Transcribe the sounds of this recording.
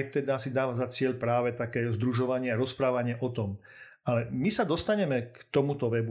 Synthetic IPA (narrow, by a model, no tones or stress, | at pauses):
jt̪ɛd̪asid̪aːʋazat͡sɪɛʎpɾaːʋɛt̪akɛːzd̪ɾuʒɔʋaɲɪɛaɾɔspɾaːʋaɲɪɛʔɔt̪ɔm | alɛmisad̪ɔst̪aɲɛmɛkt̪ɔmut̪ɔʋɛbu